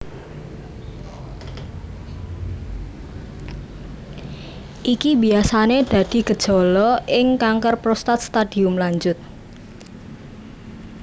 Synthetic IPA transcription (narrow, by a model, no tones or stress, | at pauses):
ʔikibiasaned̪̥ä̤d̪̥i̤ɡ̥ə̤̥ʒ̥ɔ̤lɔʔɪŋkaŋkərpɾɔst̪at̪̚st̪ad̪̥iʊmlaɲd͡ʒʊt̪̚